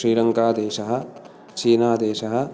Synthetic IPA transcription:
ɾiːɾɐŋkaːd̪eːʃɐɦɐ̆ | t͡ʃiːnaːd̪eːʃɐɦɐ̆

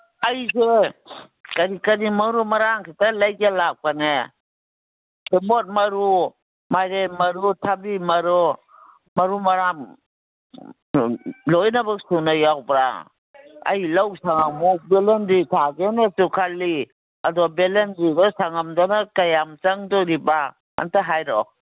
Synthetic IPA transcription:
ajze | kaɾikaɾimaɾumaɾaŋkʰitalajkelak̚pane | kemot̚mɐɾu | majɾemɐɾutʰabimɐɾɔ | mɐɾumaɾam | lojnabaksunajawbɾa̰ | a̰jlawsaŋamuk̚belenditʰaɡenatukʰalːi | adɔbelenɾidɔsaŋamdanakajamt͡ʃaŋdɔɾiba | a̰ntaɦajɾɔ

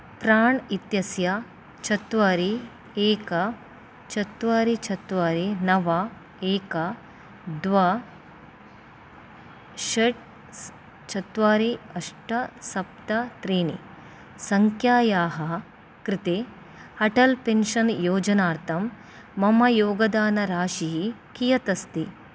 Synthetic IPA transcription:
pɾaːɳit̪jɐsjɐ | t͡ʃɐt̪ʋaːɾi | eːkɐ | t͡ʃɐt̪ʋaːɾit͡ʃʰɐt̪ʋaːɾinɐʋa | eːkɐ | d̪ʋa | ʃɐʈ̚ | t͡ʃɐt̪ʋaːɾiɐʂʈɐsɐp̚t̪ɐt̪ɾiːnḭ | sɐŋkʰjaːjaːɦɐ | kɾit̪eː | ɐʈɐlpenʃɐnjoːd͡ʒɐnaːɾt̪ʰɐmː | ɐmɐjoːɡɐd̪aːnɐɾaːʃiɦikijɐt̪ɐst̪i

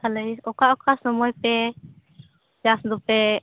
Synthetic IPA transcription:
aləjɔkaʔɔkʰasɔmɔjpɛ | d͡ʒasd̪ɔpɛ

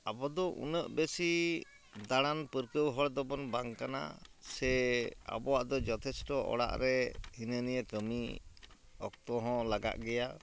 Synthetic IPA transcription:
abɔd̪ɔʔṵnəʔbesi | d̪aɽanpəɾkəwɦɔɽd̪ɔbɔnbaŋkana̰sɛa̰bɔwaʔd̪ɔd͡ʒɔt̪ʰɛsʈɔʔɔ̰ɽa̰ʔɾɛhinənijəkəmi | ɔk̚t̪ɔɦɔ̃laɡa̰ʔɡɛja

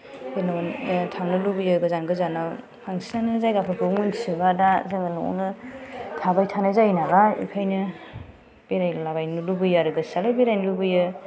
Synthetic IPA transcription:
benantʰaŋnɯlubɯjɯɡɯzanɡɯzanaw | pʰaŋsinanɯzajɡapʰɯbʰɯŋmɯnsibadazɯŋɯnuɔ̰nɯtʰabajtʰanazajnaɡaḭkʰajnɯ | b̥eɾajlaβajnulubɯjaɾɯɡɯsalɯbeɾajnlubɯjɯ

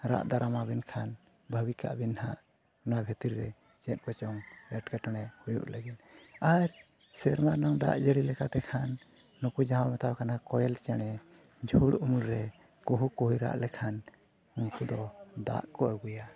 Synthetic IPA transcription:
ɾa̰ʔd̪aɾamabinkʰan | bʱəbika̰ʔbinhaʔ | nabʱit̪iɾːɛ | t͡ʃɛt̪̚ˀkɔt͡ʃɔŋɛʈkaʈɔɽ̃ɛhujṵʔləɡit̪aɾ | sɛɾmanɔŋd̪a̰ʔd͡ʒəɽilɛkat̪ɛkʰanː | ukud͡ʒaɦamɛt̪awkanaakɔjɛlt͡ʃaɽ̃ɛ | d͡ʒʱuɽʔumulɾɛ | kuɦukuɦujɾa̰ʔlɛkʰan | unkud̪ɔd̪a̰ʔkɔaɡuja

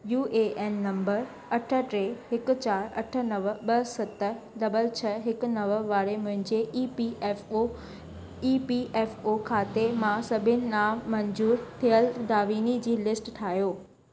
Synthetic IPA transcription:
juːʔeʔeːnːɐ̃mbəɾ | ɐʈʰə̆ʈɾeːɦɪkʊ̆t͡ɕaːɾɐʈʰə̆nɐʋəɓɐsɐt̪ə | ɖɐbəlt͡ɕʰɐɦɪkʊ̆nɐʋəʋaːɾemʊ̃ɦɪ̃ɲd͡ʑeiːpio | iːpiʔeːfokʰaːt̪emãsɐbʱɪnɪ̆naːmɐɲd͡ʑuːɾt̪ʰijəld̪aːʋiːnid͡ʑiːlɪsʈʈʰaːɦjoː

